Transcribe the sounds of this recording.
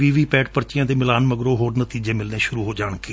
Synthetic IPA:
ʋiːʋiːpɛːʈpəɾt͡ʃɪjãːd̪eːmɪlaːnməɡɾoːɦoːɾnət̪iːd͡ʒeːmɪlneːʃʊɾuːɦoːd͡ʒaːɳkeː

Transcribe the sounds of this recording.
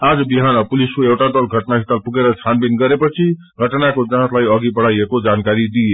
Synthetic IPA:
ad͡zʌbiɦanʌpuliskoewʈad̪ʌlɡʱʌʈnaɦit̪alpuɡeɾʌt͡sʰanbinɡʌɾepʌt͡sʰi | ɡʱʌʈnakod͡zãt̪lajʌɡibʌɽajekod͡zankaɾid̪ie

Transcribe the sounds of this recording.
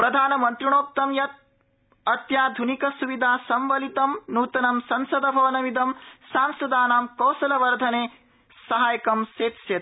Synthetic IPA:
pɾɐd̪ʱaːnɐmɐnt̪ɾiɳoːp̚t̪ɐmjɐt̪̚ | ɐt̪jaːd̪ʱunikɐsuʋid̪ʱaːsɐmʋɐlit̪ɐmnuːt̪ɐnɐmsɐnsɐd̪ɐbʱɐʋɐnɐmid̪ɐmsaːnsɐd̪aːnaːmkɐwsɐlɐʋɐɾd̪ʱɐneː | sɐɦaːjɐkɐmseːt̪sjɐt̪

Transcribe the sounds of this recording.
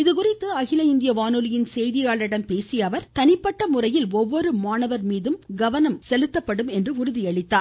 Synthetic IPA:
ɪðɯkʊrɪt̪ːɯɐɣɪlɐɪnd̪ɪjɐʋaːnɯlɪjɪnsɛjðɪjaːɭɪɽɐmpeːsɪjɐːʋɐɾt̪ɐnɪpːɐʈːɐmʊrɐjɪlɔʋːɔɾɯmaːnɐʋɐɾmiːðɯmɡɐʋɐnɐmsɛlɯt̪ːɐpːɐɽɯmɛndrɯʊɾʊðɪɐɭɪt̪ːaː

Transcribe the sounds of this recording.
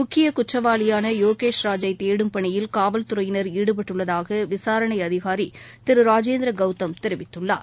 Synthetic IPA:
mʊkʰːɪjɐkʊʈːɐʋaːlɪjaːnɐjoːkeːʂɾaːd͡ʒɐɪt̪eːɽɯmpɐɳɪjɪlkaːʋɐlt̪ʊɾɐjɪnɐɾiːɽɯp̬ɐʈːɯɭːɐðaːɣɐʋɪsaːɾɐɳɐɪɐðɪɣaːɾi | t̪ɪɾɯɾaːd͡ʒeːnd̪ɾɐɡɐʊt̪ːɐmt̪ɪɾɪʋɪt̪ːɯɭːa̰ːɾ

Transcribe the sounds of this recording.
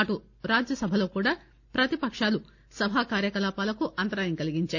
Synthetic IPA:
ɐʈu | ɾaːd͡ʒjɐsɐbʱɐlo̞ːkuːɽaː | pɾɐt̪ipɐkʂaːlu | sɐbʱaːkaːɾjɐkɐlaːpaːlɐkuʔɐnt̪ɐɾaːjɐŋkɐliɡiɲt͡ʃaː

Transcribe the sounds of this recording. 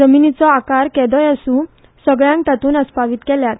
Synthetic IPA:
d͡zəminit͡sɔakaɾkɛd̪ɔ̃jasũ | səɡɭjãŋk̚t̪at̪uːnəspaʋiːt̪kɛljat̪

